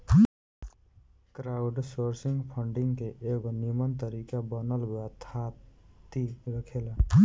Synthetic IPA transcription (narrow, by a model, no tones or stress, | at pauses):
kɾaʊɖsoɾsiŋɡpʰəɳɖiŋɡkeʔeɡonimənt̪əɾikabənəlɦoat̪ʰat̪iɾəkʰel